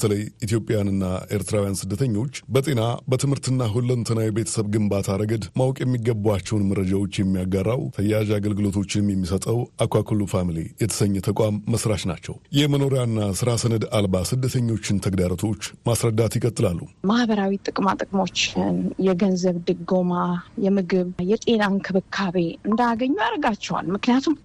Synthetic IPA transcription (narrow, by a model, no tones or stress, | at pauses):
bə̥t̪ʰələjit̪ijo̞pʼjanɨnːae̞ɾt̪ʰɨɾawijansɨd̪ːət̪ʰəɲːo̞t͡ʃːbət̪ʼe̞nabət̪ʰɨmhɨɾt̪ɨnːaɦulːənt̪ʰənawjbe̞t̪ʰə̥səβɡɨmbat̪ʰaɾəɡəd̪mawkʼjɛmːiɡːəbːuat͡ʃːɛwnməɾːəd͡ʒawo̞t͡ʃːjɛmːijaɡarːawt̪ʰəjːaʒaɡəlɡɨlo̞t̪ʰo̞t͡ʃːɪnmjɛmːisət̪ʼəwakʷakʰɨlufamlḛjɛt̪ʰə̥səɲːɛt̪ʰəkʼamːəsɾaʃna̰t͡ʃːɛ̰wjɛməno̞ɾjanːasɨɾasənəd̪albasɨd̪ːət̪ʰəɲːo̞t͡ʃːɪnt̪ʰəɡd̪aɾət̪ʰo̞t͡ʃːmasɾəd̪ːat̪jɪkʼət̪ʼːɨlalːumahbəɾawit̪ʼɨkʼmat̪ʼɨkʼmo̞t͡ʃːɪnjɛɡənzəβd̪ɨɡo̞majɛmɨɡɨβjɛt̪ʼe̞nankʰɨβɨkʰːaβe̞ɨnd̪aɡəɲːujaɾəɡat͡ʃːɛwa̰lmɨknijat̪ʰum